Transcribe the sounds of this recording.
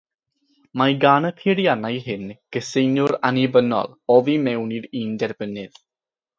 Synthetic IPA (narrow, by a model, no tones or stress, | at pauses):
majɡaːnəpʰiɾijanajɦɪnɡ̥əsejnjʊɾanibənɔ̰lɔvimɛwniɾiːndɛɾbənɪð